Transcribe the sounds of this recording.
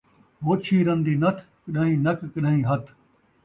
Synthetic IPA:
ɦoːt͡ʃʰiːɾɐ̃nd̪iːnɐt̪ʰkɗə̃ɦĩːnɐkkəɗə̃ɦĩːɦɐt̪ʰ

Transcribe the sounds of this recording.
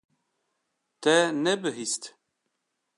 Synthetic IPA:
t̪ɛnɛbɨɦist̪

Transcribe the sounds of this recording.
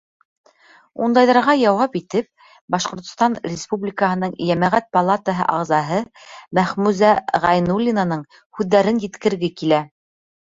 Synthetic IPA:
und̪ɑjðɑɾʁɑjɑwɑpit̪ɘp̚ | bɑʃqŏɾt̪ŏst̪ɑnrʲɪspublʲikəɦɤ̆nɤɴjæmæʁæt̪̚pɐlˠat̪əɦɤ̰ʔɑʁzɑɦɤmæχmʉzæʁɑjnulʲːinanɤɴ | hʉðːæɾɘnjɘ̆t̪kɘ̆ɾɡɘkilæ

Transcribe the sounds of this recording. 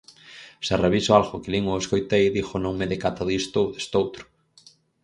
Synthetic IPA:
seareβisoalɣokeliŋoeskojt̪ejðixonõŋmeðɪkat̪aðist̪oðe̥st̪owt̪ɾʊ̥

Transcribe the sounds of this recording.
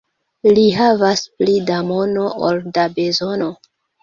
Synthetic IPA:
liɦavasplidamo̞no̞ʔo̰ldabe̞zo̞no̞

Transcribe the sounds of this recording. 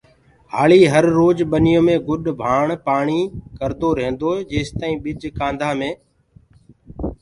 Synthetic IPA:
ɦaːɭiːɦəɾːoːd͡ʒɓənɪjõːmẽːɡʊɗbʱaːɳ̃paːɳ̃iːkəɾd̪oːɾẽɦɪ̃nd̪oːd͡ʒeːst̪aːĩːɓɪd͡ʒkãːnd̪ʱaːmẽː

